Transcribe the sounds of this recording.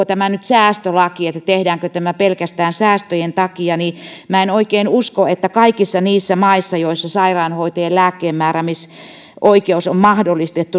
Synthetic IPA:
ot̪æmænyt̪sæːst̪ølɑkiet̪ːæt̪ehdæːŋkøt̪æmæpelkæst̪æːnsæːst̪øjent̪ɑkiɑnimæenoikeinuskoet̪ːækɑikisːɑniːsːæmɑisːɑjoisːɑsɑirɑinhoit̪eːlæːkːeːmmæːræmis | ʔoikeusommɑhdolːˑist̪et̪ːu

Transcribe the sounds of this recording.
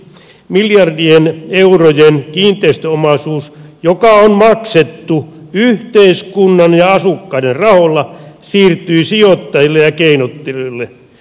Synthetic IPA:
miljɑrdieneurojenkiːnt̪ˑeist̪øomɑsuːsjokɑonmɑkset̪ːuyht̪eiskunːɑnjɑɑsukːɑiderrɑholːɑsiːrt̪yisiot̪ːɑjilːejɑkeinot̪ːeloilːe

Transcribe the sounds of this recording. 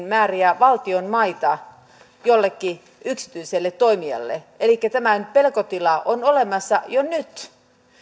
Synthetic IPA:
nmæːriæʋɑlt̪ionmɑit̪ɑ | jolːekːi | yksi̥t̪yiselːet̪oimiɑ̰lːḛ | elikːæt̪æmænpelkot̪ilɑʔonolemɑsːɑ̰jonyt̪

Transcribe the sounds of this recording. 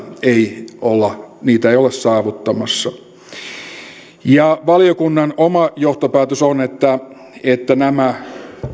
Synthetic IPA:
eiolːɑniːt̪æeijolessɑːʋut̪ːɑmɑsːɑ | jɑʋɑljokunːɑnomɑjoht̪opæːt̪øsonet̪ːæ | et̪ːænæmæ

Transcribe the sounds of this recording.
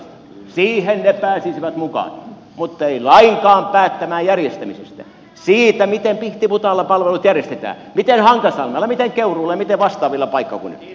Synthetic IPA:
siːhennepæːsisiʋæt̪mukɑ̰n | mut̪ːeilɑiŋkɑːmpæːt̪ːæmæːjærjest̪æmisḛst̪æ̰ | siːt̪æmit̪empiht̪iput̪ɑlːɑpɑlʋelut̪jærjest̪et̪æ̰ː | mit̪enhɑŋkɑsɑlmɑlːɑmit̪eŋkeuruːlɑjɑmit̪eʋʋɑst̪ɑːʋilːɑpɑikːɑ̰kṵnḛ

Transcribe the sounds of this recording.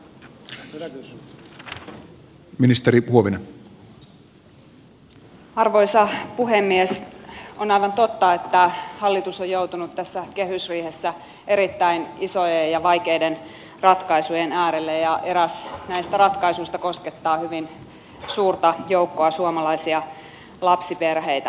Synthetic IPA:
minist̪eɾihuoʋinen | ɑrʋo̞isɑpuɦemːiesonɑiʋɑnt̪ot̪ːɑet̪ːæhɑlːit̪usojout̪unut̪tæsːækeɦysriːhesːæ | ʔe̞ɾit̪ːæinisojejjɑʋɑjkeiden | rɑt̪kɑisujenæːɾelːejɑʔe̞ɾæsnæist̪ærɑt̪kɑisuist̪ɑkosket̪ːɑːhyʋin | suːrt̪ɑjoukːoɑsuomɑlɑisiɑ | lɑpsiperɦejt̪æ

